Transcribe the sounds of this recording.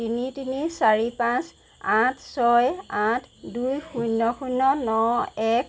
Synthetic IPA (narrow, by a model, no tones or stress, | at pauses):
initinisaɹipãs | ãtʰsɔjãtʰdujxunːɔxunɔnɔɛk̚ʰ